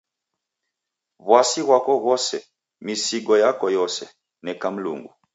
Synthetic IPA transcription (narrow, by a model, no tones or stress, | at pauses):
βwasiɣwakɔɣɔsɛ | misiɡɔjakɔjɔsɛ̰ | nɛkam̩lṵŋɡṵ